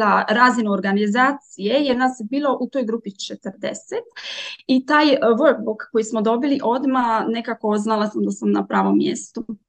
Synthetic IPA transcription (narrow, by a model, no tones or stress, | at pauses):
laɾaːzinuoɾɡanizaːt̪sije̞jeɾnaːsjebiːlˠo̞ʔut̪o̞jɡɾuːpit͡ʃet̪əɾd̪ḛset̪it̪aːjʋok̚bukkːojismod̪o̞biliʔo̞d̪mane̞kakooznalˠasamd̪asamnapɾaːʋo̞mːjḛst̪u